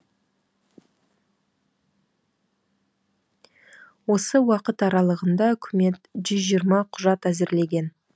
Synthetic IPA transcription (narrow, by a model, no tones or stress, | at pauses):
wo̞səwɑqət̪ɑɾɑlˠəʁənd̪ɑʏkʲʰɪme̞t̪ʒʏzʒijəɾmɑqʰʊʒɑt̪æzɪɾle̞ɡʲe̞n